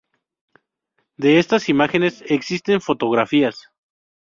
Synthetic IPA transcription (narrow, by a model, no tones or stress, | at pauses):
d̪e̞e̞st̪asimaxe̞ne̞se̞ksist̪e̞ɱfo̞t̪o̞ɣ̞ɾafias